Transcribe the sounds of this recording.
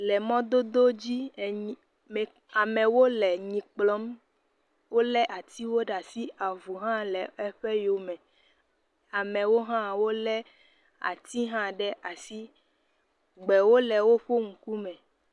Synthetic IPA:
lɛ˨mɔ̃˦d̪o˦d̪o˦d͡ʑi˦˨ | mɛ˨ | a˨mɛ̃˨wo˦lɛ˨ɲĩ˨k͡plɔ˦m | wo˦lɛ˦ʔa˨t̪i˦wo˦ɖa˨si˦a˨vu˨ɦã˦lɛ˨ɛ˦ɸɛ˦jo˨mɛ̃˨ | a˨mɛ̃˨wo˦ɦã˦wo˦lɛ˦ | a̰˨t̪i˦ɦã˦ɖɛ˦ʔa˨si˦ | ɡ͡bɛ˨wo˦lɛ˨wo˦ɸo˦ŋ̩˨ku˦mɛ̃˨

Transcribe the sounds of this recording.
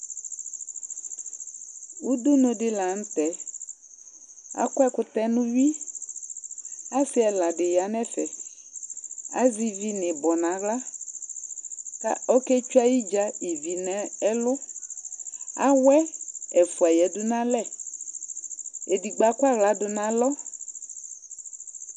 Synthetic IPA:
wu˦d̪ʊ˦nõ˨ɖɪ˦la˨ŋ̩˦t̪ɛ˨ | a̰˦kɔ˦ɛ˦kʊ˦t̪ɛ˦nũ˦ɥi˦ | a˦sɪ˦ɛ˨la˨ɖɪ˨ja˨nɛ̃˦fɛ˨ | a̰˨˦zi˨vi˦nɪ̃˨bɔ˨nã˨˦ɣla˦ | ta̰˦ɔ˦kɛ˦t͡ʃu˦a˦ji˦d͡ʒa˦i˨vi˨nɛ̃˦ɛ˦lʊ˦ | a̰˦wɛ˦ɛ˨fu˨a˨jɛ˨dʊ˦nã˦lɛ˦˨ | e˨di˨ɡ͡ba˨ku˦a˦ɣla˨dʊ˨nã˨lɔ˦

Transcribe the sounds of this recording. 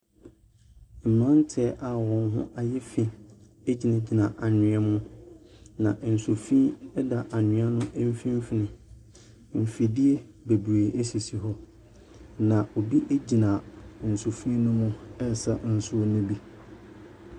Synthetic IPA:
m̩˨mã˦n˦tʰɛ˨˦ʔa˨wɔ̃˨nɦʊ̰̃˦ʔa˨jɛ˦fi˦ | e˦d͡ʑi˨nã˨d͡ʑi˨nã˨ʔa˨ɲɪ̃˨ɛ˦mʊ̃˦ | nã˨ʔn̩˨so˨fĩ˦ɛ˦da˨ʔa˨ɲɪ̃˨˦a˦nʊ̃˦ʔɛ˦m˦fĩ˦m˦fɪ˨nɪ̃˨ | m̩˨fi˨di˦ɛ˦ | be˨bu˨e˨ʔe˦si˨si˨ɦɔ˦ | nã˨ʔo˨bi˦ʔe˦d͡ʑi˨nã˨n̩˨so˨fĩ˦nʊ̃˦mʊ̃˦ɛ˦˨sa˨n̩˨sʊ˦o˦nʊ̃˦bi˦

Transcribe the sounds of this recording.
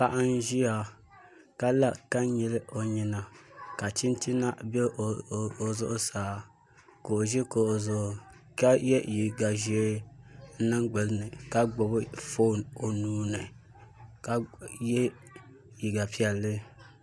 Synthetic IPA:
pa˦ʔa˦n˦ʒi˦a˨ | ka˦la˦ka˦ɲɛ˨lɨ˦ʔo˨ɲi˨na˨ka˨t͡ʃi˦n˦ti˦na˦bɛ˦˨o˨zʊ̰˦ʔʊ˦saː˨˦ | ko˨o˨ʒi˦ko˨ | ka˦jɛ˦ji˨ɡa˨ʒe˦n̩˦na˦ŋɡ͡bɨ˨lɨ˦nɨ˨ka˦ɡ͡bo˨bɨ˦fo˦˨no˨nuː˨˦nɨ˨ | ka˦jɛ˦ | ji˨ɡa˨pi˦ɛ˨lːɨ˦

